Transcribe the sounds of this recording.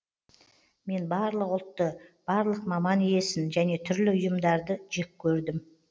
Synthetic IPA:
me̞nbɑɾlˠəqʊlˠt̪ːəb̥ɑɾlˠəqmɑmɑnije̞sɪnʒæne̞t̪ʰʏɾlɪʊjəmd̪ɑɾd̪əʒek̚kʲʰɵɾd̪ɪm

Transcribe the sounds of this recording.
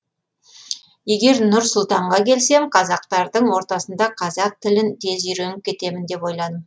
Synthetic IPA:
je̞ɡʲe̞ɾnʊɾsʊlˠt̪ɑɴʁɑkʲʰe̞lse̞mqʰɑzɑq̚t̪ɑɾd̪əɴwo̞ɾt̪ɑsənd̪ɑqʰɑzɑq̚t̪ʰɪlɪnt̪ʰe̞zʏjɾenɪp̚kʲe̞t̪e̞mɪnd̪e̞po̞jlˠɑd̪əm

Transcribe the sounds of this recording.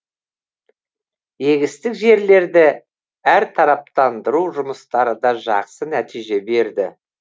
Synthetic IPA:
je̞ɡʲɪst̪ɪkʒe̞ɾle̞ɾd̪ɪ | æɾt̪ʰɑɾɑp̚t̪ɑnd̪əɾuʒʊməst̪ɑɾəd̪ɑʒɑ̰qsənæt̪ijʒe̞be̞ɾd̪ɪ̰

